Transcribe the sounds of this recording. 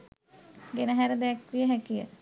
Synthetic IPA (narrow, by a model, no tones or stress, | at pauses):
ɡenəɦæɾəd̪ɛkʋijəɦækijə̰